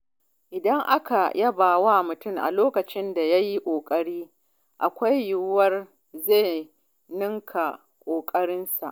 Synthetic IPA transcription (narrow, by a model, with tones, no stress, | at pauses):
ʔɪ˨dɐ˦ŋʔa˦ka˨jʔɐ˦baː˨waː˦mʊ˨tʊ˦˨mʔa̰˨loː˦kɐ˨t͡ʃɪ˦nda˨ja˦ji˦kʷʼoː˨kʼɐ˦ɽiː˦ | ʔa̰˨kʷa˦jːʊ˦wɐ˦r | zeː˦˨ | nɪ˦ŋkʰa˨ | kʷʼoː˨kʼɐ˦ɽɪ˦nsa̰˨ʔ